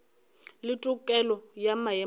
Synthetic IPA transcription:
lɪtʼukʼɛlɔjamajɛ

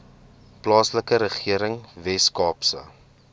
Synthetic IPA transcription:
plɑːsləkəɾəχiəɾəŋvɛskɑːpsə̰

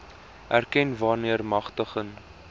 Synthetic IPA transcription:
ʔærkɛnvɑːrniərmɐχtəχən

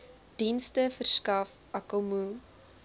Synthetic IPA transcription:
d̥instəfərskɐf | ɐkəmu

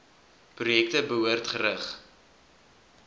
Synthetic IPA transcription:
prujɛk̚təbəɦuərtχəɾəχ

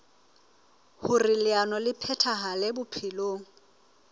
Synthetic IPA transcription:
hʊrɪlɪanɔlɪpʰɛtʰaɦalɛbʊpʰɪloːŋ̩

